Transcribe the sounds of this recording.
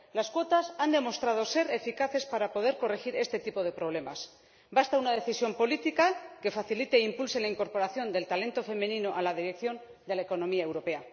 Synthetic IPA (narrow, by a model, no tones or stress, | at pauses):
laskwo̞t̪asand̪e̞mo̞st̪ɾað̞o̞se̞ɾe̞fikaθe̞spaɾapo̞ðe̞ɾko̞rexiɾe̞st̪e̞t̪ipo̞ð̞e̞pɾo̞β̞le̞mas | bast̪aunað̞e̞θisjo̞mpo̞lit̪ikake̞faθilit̪e̞impulse̞laiŋko̞ɾpo̞ɾaθjo̞nd̪e̞lt̪ale̞nt̪o̞fe̞mẽ̞nĩno̞ʔalað̞iɾe̞kθjo̞n | d̪elaeko̞nõ̞miae̞wɾo̞pe̞a